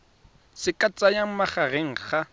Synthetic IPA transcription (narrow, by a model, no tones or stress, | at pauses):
sɪkʼat͡sʼajaŋ̩maχareŋ̩χa